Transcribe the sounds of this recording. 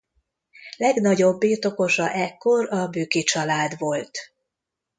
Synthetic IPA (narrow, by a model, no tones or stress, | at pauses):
lɛɡnɒɟo̞bːiːt̪o̞ko̞ʃɒʔɛkːo̞ɾɒbyːkit͡ʃɒlaːd̪ʋo̞lt̪